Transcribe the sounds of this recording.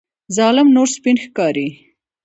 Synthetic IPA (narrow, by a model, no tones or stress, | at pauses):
zɑlɪmnoɾspinxkɑɾi